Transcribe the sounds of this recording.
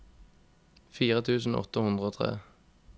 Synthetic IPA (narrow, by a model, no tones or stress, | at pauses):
fiːʁət̪ʰʉːsn̩ɔ̰t̪əhʉnd̪ʁəoːt̪ʰʁḛː